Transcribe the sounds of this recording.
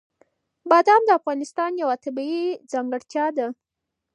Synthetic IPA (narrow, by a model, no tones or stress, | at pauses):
bɑd̪amd̪əafɣɑnɪst̪ɑnjawat̪abiid͡zɑŋɡəɽt̪jɑd̪a